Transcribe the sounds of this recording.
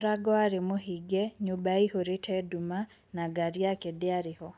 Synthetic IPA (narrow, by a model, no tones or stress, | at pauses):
ɾaɡɔaɾemohiɡɛɲubaihoɾetʰɛduma | naɡaɾiakedeaɾɪhɔ